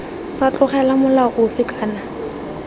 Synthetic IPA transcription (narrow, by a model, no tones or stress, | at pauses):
sat͡ɬʼʊχɛlamʊlaʔʊfɪkʼaːna